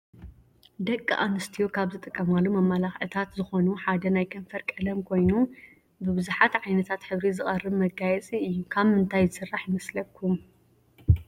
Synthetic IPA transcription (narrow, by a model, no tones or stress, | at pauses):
d̪ɐkʼːɨ̰ʔanɨst̪ʰijokʰaβzɨt̪ʼɨkʼːɐmalːumɐmːalaxʕɨt̪ʰat̪zɨxo̞nuħad̪ɐnajkʰɐɱfɐɾkʼɐlɐmkʰo̞jnu | bɨbɨzuħat̪ʕajnɐt̪ʰat̪ħɨβɾizɨχʼɐrːɨβmɐɡajɛt͡sʼiɨjːukʰaβmɨnt̪ʰajzɨsɨrːaħjɪmɐslɐkʰːum